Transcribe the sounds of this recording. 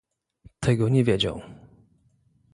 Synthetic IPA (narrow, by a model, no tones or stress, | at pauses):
t̪ʰɛɡɔɲɛvʲjed͡ʑa̰w